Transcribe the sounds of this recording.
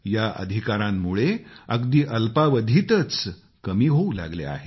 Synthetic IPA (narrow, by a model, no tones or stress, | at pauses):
jaʔə̰d̪ʱikaɾãmːuɭeəɡd̪iːʔəlpaʋəd̪ʱit̪ət͡s | kəmiːɦoula̰ɡlḛa̰ɦe